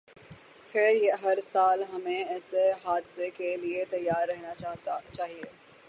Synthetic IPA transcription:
fʰɪɾjeɦɐɾsaːlɦɐmẽɛːseɦaːd̪sekeliet̪ɐjːaːɾːɐɦnat͡ʃaːɦieː

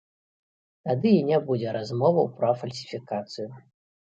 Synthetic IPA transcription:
t̪ad̪ɨinʲabud͡zʲɛɾazmɔvɐwpɾɐfɐlʲsʲi̥fʲikat̪sɨju

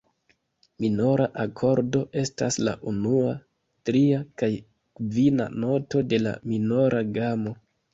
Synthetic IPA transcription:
mino̞ɾaʔakʰo̞ɾdo̞ʔe̞stasla̰ʔunua | tɾiakaj | kvina̰no̞to̞de̞la̰mino̞ɾʔaɡamo̞

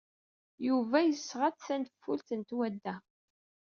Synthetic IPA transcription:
juvæjəsʁat͡sθænt̪fːult̪ənt̪wæd̪ːæ

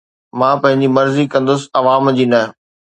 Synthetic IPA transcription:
mãːpɐ̃ɦɪ̃ɲd͡ʑimɐɾzikɐ̃nd̪ʊsɪ̆ɐʋaːmd͡ʑiːnɐɦ

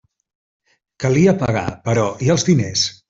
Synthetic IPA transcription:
kəliəpəɣ̞a̰pəɾɔʔiəlˠzðines

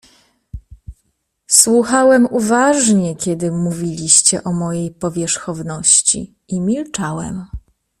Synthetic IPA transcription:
swuxawɛmuvaʐɲɛkʲɛd̪ɘmuvʲilʲiɕt͡ɕɛʔɔmɔjejpɔvʲjɛʂxɔvnɔɕt͡ɕḭ | imʲilt͡ʂawɛ̰m

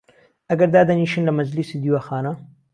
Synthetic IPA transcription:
ɐɡɐɾd̪aːd̪ɐniʃɨnlɐmɐzlisid̪iwaxɑːna

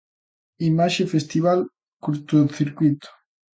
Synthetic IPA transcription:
imaʃefest̪iβal | kuɾt̪oθiɾkwit̪o̥

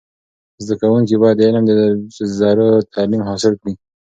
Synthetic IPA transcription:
zd̪akawuŋkibɑjad̪ɪləmd̪əzɑɾət̪ʰamimɦɑsɪlkni

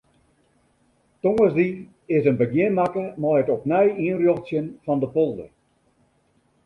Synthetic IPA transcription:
toŋəsdi | ɪsənbəɡjɪnmakəmɔjətɔpnɛjiənrjoxtsjənfɔndəpolˠdə̰

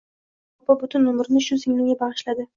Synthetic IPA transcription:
ɒpabʊt̪ʰʊnʊmɪɾnɪʃʊsɪŋlɪŋʲabaʁɨʃlad̪ɪ

